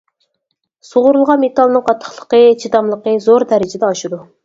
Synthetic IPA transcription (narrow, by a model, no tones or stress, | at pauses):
soʁʊɾulˠʁɑnmet̪ʰɑlˠnɨŋqʰɑt̪ʰːə̥χlˠə̥qət͡ʃʰit̪ɑmlˠəqəzoɾd̪ɛɾɪd͡ʒɪd̪ɛɑʃɨd̪u